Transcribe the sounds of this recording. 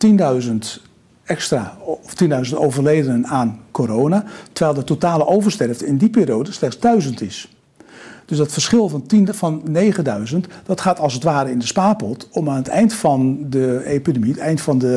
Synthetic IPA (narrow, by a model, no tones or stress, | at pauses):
tindœɥzənt | ɛkstraːɔftindœɥzəntowvərlejdənənaːnkoɾoːwnatəʋɛjlˠdətotaːləʔowvərstɛrftɪndipiːrijowdəslɛχtsdœɥzəntɪs | d̥øsdɑtfərsχɪlˠvɑntinfɑnːejχədœɥzəntd̥ɑtχaːtɑlˠsətʋaːɾəɪndəspaːpɔtɔmaːnətɛ̰jntfɑndəepidemitɛjntfɑndə